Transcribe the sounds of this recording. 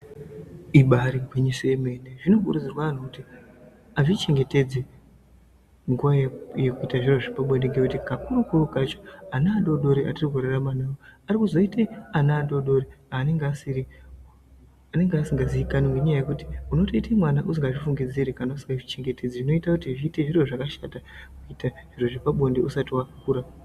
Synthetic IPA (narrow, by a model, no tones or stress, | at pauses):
iɓaɾiɡʱwiɲiseme̞ːneʐino̞kṵrud͡zirwaːnokuti | aʐit͡ʃe̞ŋɡe̞te̞d͡zi | ŋɡuʋajekuitaʐiroʐipaɓwendeŋɡekutikakuɾokurokat͡ʃoanaːɗo̞ɗo̞ɾiʔatiriɡʱuraramanawoarikuzo̞iteanaːɗo̞ɗo̞ɾiaːne̞ŋɡeasiri | ane̞ŋɡasiŋɡaziikanimuɲajaje̞kuti̥uno̞to̞itemwanaʔusiŋɡaʐifuŋɡid͡ziɾekanausi̥ŋɡaʐit͡ʃe̞ŋɡe̞tʰe̞d͡ziʐino̞itakutiʐiːte̞ʐiro̞ʐakaʃatakuitaʐ̥iro̞ʐipaɓo̞ndeʔusatiwakakuːɾa